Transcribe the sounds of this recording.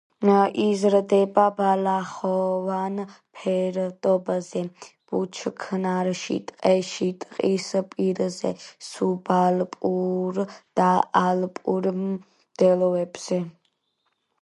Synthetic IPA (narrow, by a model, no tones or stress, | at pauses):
ʔizɾd̪ɛbabalaχɔvan | pʰɛɾd̪ɔbzɛb̥ut͡ʃʰkʰnaɾʃḭt̪ʼqʼɛʃit̪ʼqʼispʼiɾzɛ̰subalpʼuɾd̪̥aalpʼuɾ | d̪̥ɛlɔvɛbz̥ɛ